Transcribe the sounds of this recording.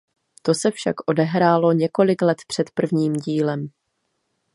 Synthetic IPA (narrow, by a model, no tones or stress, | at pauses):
t̪o̞sɛfʃa̰kʔo̞dɛɦɾaːlo̞ɲɛko̞lɪklɛt̪pr̝̥ɛt̪pr̩vɲiːmɟiːlɛm